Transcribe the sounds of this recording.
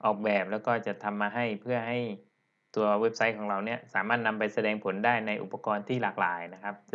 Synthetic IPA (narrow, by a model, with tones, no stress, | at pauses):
ʔɔː˨˩k̚bɛː˨˩p̚lɛː˦˥wkɔː˥˩t͡ɕa˨˩t̪ʰːa˧mːaː˧ɦa˥˩jpʰɯ˥˩ɐɦa˥˩j | t̪u˧ɐwe˦˥p̚sa˦˥jkʰɔː˩˦ŋɾa˧wni˦˥ɐsaː˩˦maː˥˩t̪̚na˧mpa˧jsa˧dɛː˧ŋpʰo˩˦ndaː˥˩jna˧jʔṵ˨˩pːa˧kɔː˧nt̪ʰiː˥˩laː˨˩k̚la̰ː˩˦jna˦˥kʰa˦˥p̚